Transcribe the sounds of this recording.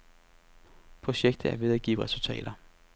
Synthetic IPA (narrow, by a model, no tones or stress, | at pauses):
pʰʁo̝ɕeɡ̥̚d̥ð̩ˠæɐʋe̝ðˠæɡ̥ḭːʁɛsult͡sʰɛ̰ːd̥ɐ